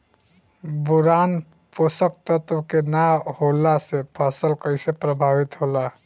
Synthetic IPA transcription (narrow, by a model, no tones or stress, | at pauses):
buɾan | posək̚t̪ət̪wəkenaholasepʰəsəlkəjsepɾəbʱabit̪ɦola